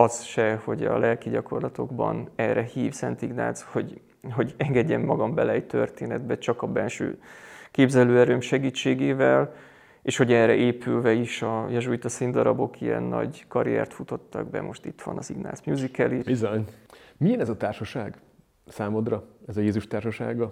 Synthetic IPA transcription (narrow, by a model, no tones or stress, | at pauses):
ɒsʃɛho̞ɟɒ̰lʔɛlkiɟɒko̞rlɒt̪o̞ɡbɒ̰nɛrɛhiːfsɛnt̪iɡna̰ːsho̞ɟ | ɦo̞ɟɛŋɡɛɟːɛmːɒɡɒmbɛlɛːɟt̪ø̞rt̪eːnɛd̪bɛt͡ʃɒkɒbɛlʃø̰ːkeːbzɛløːɛɾøːmʃɛɡiːt͡ʃːeːɡeːvɛl | eːʃho̞ɟɛrɛʔeːpʰylvɛiʃɒjɛʒuit̪ɒsind̪ɒɾɒbo̞kʰijɛ̰nːɒ̰ɟkɒɾijɛ̰rt̪fut̪o̞t̪ːɒɡ̚bɛ̰mʔo̞ʃt̪it̪ʋɒ̰nɒziɡna̰ːsmjuːzikɛlibizoɲmijɛnɛzɒt̪aːrʃɒʃaːɡ | saːmod̪rɒɛzɒjeːzuʃt̪aːrʃɒʃa̰ːɡɒ